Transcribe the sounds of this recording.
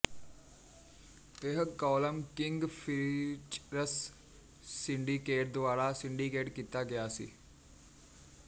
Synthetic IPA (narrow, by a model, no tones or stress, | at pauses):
ɪɦkɔːləmkɪŋɡpʰit͡ʃɾəsː | ɪ̃ɳɖiːkeːʈ̚d̪ʊaːɾaːsɪɳɖiːkeːʈkiːt̪aːɡɪjaːsḭː